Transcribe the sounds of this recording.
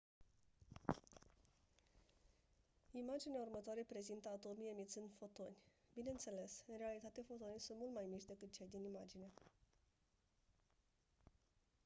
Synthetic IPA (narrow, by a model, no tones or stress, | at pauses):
imad͡ʒinaurmət̪oaɾe̞pɾe̞zint̪əat̪o̞mijemit̪sɨnd̪fo̞t̪o̞nʲbineɨnt̪se̞le̞sɨnrealit̪at̪efo̞t̪o̞nisunt̪mult̪majmit͡ʃʲd̪e̞kɨt̪̚t͡ʃe̞jd̪inimad͡ʒine